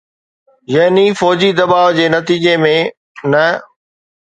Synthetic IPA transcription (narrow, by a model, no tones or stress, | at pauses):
jɐɦnifɔːd͡ʑid̪ɐbaːʋd͡ʑeːnɐt̪iːd͡ʑemẽ | nɐ